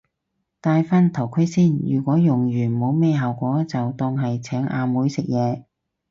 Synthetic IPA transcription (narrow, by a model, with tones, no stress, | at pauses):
t̪aː˧jfɐ˥nt̪ʰɐ˨˩wkʰɵ˥siː˥˩njyː˨˩kʷɔː˨˥jʊ˨˩ŋjyː˨˩nmo˨˧˥wme˧ɦɐ˨wkʷɔː˨˥t͡sɐ˨wt̪ɔː˧ŋɦɐ˨jt͡sʰɛː˨˥ŋa̰ː˧muː˨˥jsɪ˨k̚jɛː˨˧